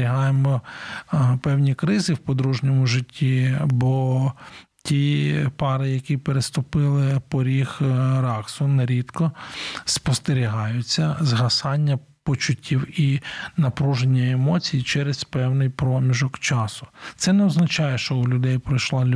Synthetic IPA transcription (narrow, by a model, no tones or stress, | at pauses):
ɾʲiɦɑjemɔ | pɛwnʲikɾɪzɪwpɔd̪ɾuʒnʲɔmʊʒɪtʲːibɔ | tʲipɑɾɪjɐkʲipeɾest̪ʊpɪlˠɪpɔɾʲixɾɑksʊneɾʲid̪kɔspɔst̪eɾʲiɦɑjʊt͡sʲːɐzɦɐsɑnʲːɐ | pɔt͡ʃʊtʲːiwinɐpɾuʒenʲːɐemɔt͡sʲijit͡ʃɛɾespɛwnɪjpɾɔmʲiʒɔkt͡ʃɑsʊ̥t̪sɛneɔznɐt͡ʃɑjɛʃt͡ʃɔʊlʲʊd̪ɛjpɾɪjʃlˠɑlʲ